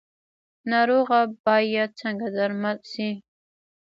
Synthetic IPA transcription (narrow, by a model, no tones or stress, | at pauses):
naɾoʁabɑjat͡sʰaŋɡad̪aɾmad̪si